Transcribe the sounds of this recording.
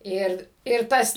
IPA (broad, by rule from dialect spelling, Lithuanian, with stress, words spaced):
ˈɪr ɪr ˈtɐs